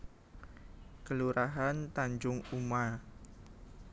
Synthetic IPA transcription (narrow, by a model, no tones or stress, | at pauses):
kəluɾaɦant̪aɲd͡ʒʊŋuma